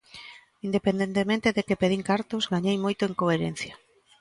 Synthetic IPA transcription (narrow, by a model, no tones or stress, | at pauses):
ind̪epend̪ent̪emẽnt̪eðekepeðiŋkaɾt̪ozɣaɲejmojt̪ʊeŋkoeɾḛn̟θja